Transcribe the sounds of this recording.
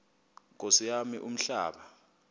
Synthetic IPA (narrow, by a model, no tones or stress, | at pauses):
k̬ʼosijamiʔum̩ɬaːɓa